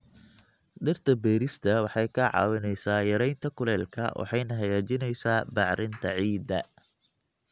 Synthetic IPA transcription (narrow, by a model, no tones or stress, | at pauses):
ɖɪrt̪ʰɐbɛːɾɪst̪ʰɐwɑħɑjkʰɐʕɑ̰ːwɪnɛjsaːjɐɾɛjnt̪ʰɐkʰʊlɛːlkʰɐ̰wʔɑ̰ħɑjnɐɦɐjaːt͡ʃɪnɛjsaːbɑʕɾɪnt̪ʰɐʕiːd̪ɐ